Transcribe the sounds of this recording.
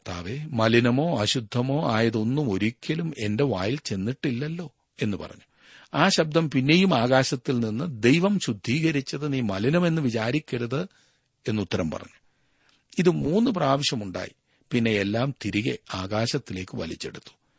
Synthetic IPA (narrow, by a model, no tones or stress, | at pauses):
t̪ʰa̰ːʋemɐlinɐmo̞ːɐɕud̪ʱːɐmo̞ːaːjɐðo̞nːumo̞ɾikʲːɐlume̞nde̞ʋaːjilt͡ɕe̞nːiʈːilːɐlːo̞ː | e̞nːɨpɐ̰rɐ̰ɲːu | aːɕɐb̚d̪ʱɐmpinːe̞jumaːɣaːɕɐt̪ːilninːɨd̪e̞jʋɐmɕud̪ʱːiːɣɐɾit͡ɕːɐðɨniːmɐlinɐme̞nːɨʋit͡ɕaːɾikʲːeɽuðɨ | e̞nːut̪ːɐɾɐmpɐ̰rɐ̰ɲːu̥ | iðɨmuːnːɨpraːʋiɕjɐmuɳɖa̰ːji | pinːe̞elːaːmt̪iɾiɣḛaːɣaːɕɐt̪ːile̞ːkːɨʋɐ̰lit͡ɕːe̞̰ɽut̪ːu̥